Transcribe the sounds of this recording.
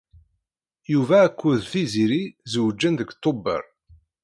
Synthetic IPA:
juvæːkʷːuðθiziɾizəwəd͡ʒːənðəɡt̪ˤːobə̰ɾˤ

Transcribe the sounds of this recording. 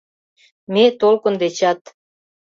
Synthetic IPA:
met̪olkə̆nd̪et͡ɕɑt̪

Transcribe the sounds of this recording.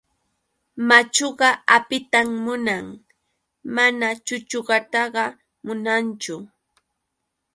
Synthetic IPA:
mat͡ʃoɢɑapɪt̪amːʊnaŋ | manat͡ʃʊt͡ʃoɢɑt̪ɑɢɑ | mʊnant͡ʃʊ

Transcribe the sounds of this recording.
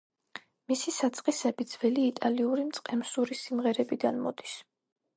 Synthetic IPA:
misisat̪sʼqʼisɛbid̪z̥vɛliːt̪ʼaliuɾimt̪sʼqʼɛmsuɾisimʁɛɾɛbid̪anmɔd̪i̥s

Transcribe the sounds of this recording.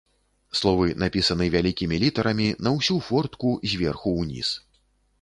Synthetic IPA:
slˠɔvɨnapʲisɐnɨvʲalʲikʲimʲilʲit̪ɐɾɐmʲinɐwsʲufɔrt̪kuzʲvʲɛrxuwnʲḭs

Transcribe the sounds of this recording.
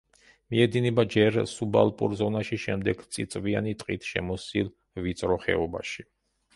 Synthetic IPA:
miɛd̪inɛbad͡ʒɛɾsuba̰lˠpʼṵɾzɔnaʃiʃɛmd̪ɛɡt̪sʼit̪sʼvianit̪ʼqʼit̪ʰʃɛ̰mɔsil | vit̪sʼɾɔχɛ̰ɔba̰ʃi

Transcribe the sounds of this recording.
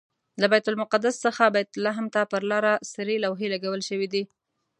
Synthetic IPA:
labajt̪ʊlmʊqad̪asːəxabajt̪ʊlaɦmt̪apəɾlɑɾasəɾelawɦelaɡawəlʃəwid̪i

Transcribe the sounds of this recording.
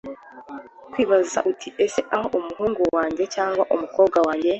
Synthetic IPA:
kwiːβazaʔutʰiese̞ʔaho̞ʔumuɦuːŋɡuwaːɲɟe̞caːŋɡwaʔumukoːb̚ɡawaːɲɟe̞

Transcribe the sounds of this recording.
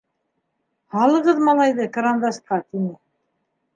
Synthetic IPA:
hɑlˠɤ̆ʁɤðmɑlˠɑjðɤkaɾand̪ɑsqɑt̪inɘ

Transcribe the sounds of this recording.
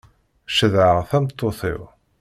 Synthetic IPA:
ʃəðʕəʁθæmt̪ˤːoθɪ̰w

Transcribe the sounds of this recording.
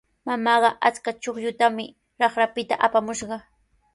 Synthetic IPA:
mamɑɢɑʔat͡skat͡ʃoχʎʊt̪amɪ | ɾɑχɾapɪt̪aʔapamʊʃɢɑ

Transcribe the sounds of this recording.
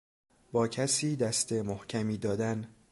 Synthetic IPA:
bɒːcʰæsiːd̪æst̪e̞mohcʰæmiːd̪ɒːd̪æn

